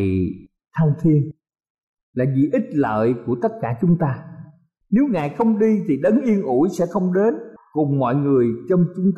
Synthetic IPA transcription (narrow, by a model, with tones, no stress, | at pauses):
t̪ʰa˧wŋt̪ʰi˧ən | laː˨˩zḭ˨˩ʔi˦˥t̚lə̰ː˧˨jku˧˩ət̪ə˦˥t̚kaː˧˩t͡ɕʊ˨˦ŋ͡mt̪aː˧ | ne˨˦wŋaː˨˩jxə˧wŋ͡mɗi˧t̪ʰi˨˩ɗə˨˦nʔi˧ənʔu˧˩jsɛ̰˧˥xə˧wŋ͡mɗe˨˦nkʊ˨˩ŋ͡mmɔ̰˧˨jŋɨ˨˩əjt͡ɕɔ˧wŋ͡mt͡ɕʊ˨˦ŋ͡mt̪